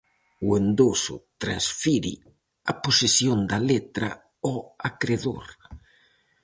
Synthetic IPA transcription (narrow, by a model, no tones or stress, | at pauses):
wend̪osʊ̰t̪ɾansfiɾḭ | aposesjond̪alet̪ɾa̰ | ɔakɾeðo̰ɾ